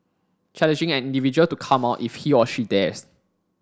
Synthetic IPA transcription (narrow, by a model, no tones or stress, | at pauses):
t͡ʃʰɛlɛ̃nd͡ʒɪ̃ŋɛ̃nĩndivid͡ʒuəltukʰãmaʊtifhiɔʃidɛs